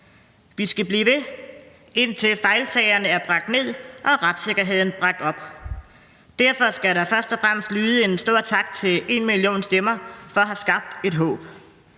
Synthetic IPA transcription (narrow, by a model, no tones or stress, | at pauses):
ʋisɡ̥æb̥liːʋe̝ | e̝n̰t͡sʰe̝lfɑ̈ɪlsɛɪɐnəæɐb̥ʁɑ̈ɡ̥̚d̥ne̝ð̞̰ˠʔɒ̽ʁad̥se̝ɡ̥ɐɦe̝ð̰ˠn̩b̥ʁɑ̈ɡ̥̚d̥ɒ̽b̥ | d̥æɐfɒ̽sɡ̥æɾɑ̈fɶɐsd̥ɒ̽fʁam̰əsd̥lyːðˠəe̝nsd̥o̝ɐ̰t͡sʰɑ̈ɡ̥̚t͡sʰe̝le̝nmilio̝̰ːnsd̥emɐfɒ̽ɒɦæsɡ̥ɑ̈b̥̚d̥e̝d̥ɦɔ̰ːb̥